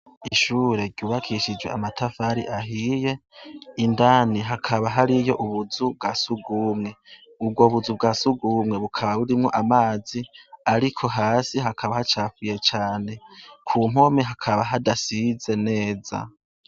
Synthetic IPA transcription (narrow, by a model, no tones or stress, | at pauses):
iʃuːɾe̞ɾɟ̥uːβakʰiʃid͡ʒwe̞amatʰafaɾiʔaɦije̞indaːniɦakʰaβaɦaɾijo̞ʔuβuzubɡasuɡuːmŋe̞ | ub̚ɡo̞βuzubɡasuɡumŋe̞βukʰaβaβuɾimŋo̞ʔamaːziaɾikʰo̞ɦaːsiɦakʰaβahat͡ʃaːfuje̞t͡ʃaːne̞kʰuːm̥homiɦakʰaβaɦadasize̞ne̞ːza̰